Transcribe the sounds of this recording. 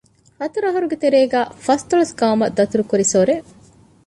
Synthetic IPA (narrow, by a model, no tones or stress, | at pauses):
hɐt̪uɾɐɦɐɾuɡet̪eɾeːɡæːfɐst̪oɭɐsɡaːmɐd̪ɐt̪uɾukuɾisoɾe